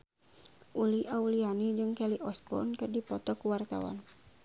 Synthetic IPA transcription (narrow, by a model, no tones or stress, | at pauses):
ʔuliʔaulianid͡ʒɨŋkɛliʔɔspɔ̰nkɨrdipɔt̪ɔkuwart̪a̰wa̰n